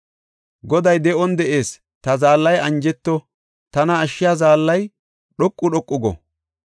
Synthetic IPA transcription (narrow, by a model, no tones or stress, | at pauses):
ɡɔd̪ɐjd̪ɛɔnd̪ɛʔe̞ːs | t̪ɐzaːlːɐjɐnd͡ʒɛt̪ːɔ | t̪ɐnɐːʃːɪjazaːlːɐj | ɗɔkʼːʊɗɔkʼːʊɡɔ̰